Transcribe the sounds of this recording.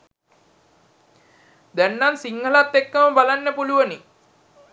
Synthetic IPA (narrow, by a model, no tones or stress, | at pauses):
d̪ɛnːansiŋɦəlat̪ːekːəməbalanːəpuluʋəni